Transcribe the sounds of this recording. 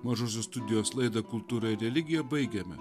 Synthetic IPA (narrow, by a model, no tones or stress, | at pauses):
mɐʒoːsʲoːst̪ʊd̪ʲɪjoːslˠɐɪd̪ɐkʊlˠt̪uːɾɑɪɾʲɛlʲɪɡʲɪjɛbɐɪɡʲɛmʲɛ̰